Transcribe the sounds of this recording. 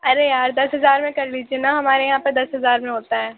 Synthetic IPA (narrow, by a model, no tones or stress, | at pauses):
ɐɾejaːɾd̪ɐsɦɐzaːɾmẽkɐɾliːd͡ʒienaɦɐmaːɾejɐɦãːpɐɾd̪ɐsɦɐzaːɾmẽɦoːt̪aɦɛː